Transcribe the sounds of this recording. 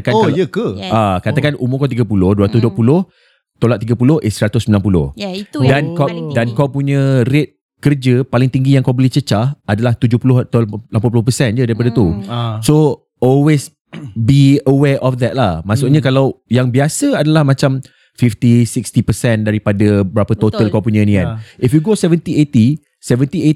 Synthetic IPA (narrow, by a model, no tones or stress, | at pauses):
kanəkəakat̪akanʔumʊkawt̪̬iɡapulʊhduəɾat̪ʊsduəpulʊh | t̪olat̪t̪iɡapulʊhʔɪsəɾat̪ʊsəmilanpulʊ̰h̪dankadankawpuɲə̃ret̪̚ | kərd͡ʒəpalɪŋt̪iŋɡijãŋkawbəlɪt͡ʃət͡ʃahadalaht̪ud͡ʒʊhpulʊht̪alampanp̬ulʊhp̬əsɛnd͡ʒədaɾipadat̪uso | ɔlwes | biəwɛʔɔfd̪ɛt̪̚lahmasʊʔ̚ɲə̃kalawjaŋbiasəadalahmãt͡ʃam | fift̪isikst̪ipəsɛndaɾipadəbəɾapət̪ot̪əlkawpuɲə̃nĩkanʔifjuɡosɛvənt̪iet̪i | sɛvənt̪ie